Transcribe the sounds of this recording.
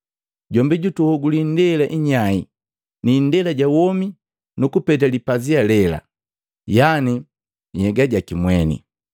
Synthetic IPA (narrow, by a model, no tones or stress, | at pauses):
ɟɔmbiɟutuhɔɡulindɛlaʔiɲai | nindɛlaɟawɔmi | nukupɛt̬alipazialɛla̰ | jani | ɲɛɡaɟakimwɛnḭ